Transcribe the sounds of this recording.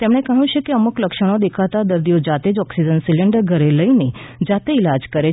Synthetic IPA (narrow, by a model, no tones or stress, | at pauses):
t̪emɽ̃ekəɦũt͡ʃekeəmukləkʃəɽ̃od̪ekʰat̪ad̪əɾd̪ijod͡ʒat̪ed͡ʒɔksid͡ʒənsiləɳɖəɾɡʱəɾeləined͡ʒat̪eilad͡ʒkəɾe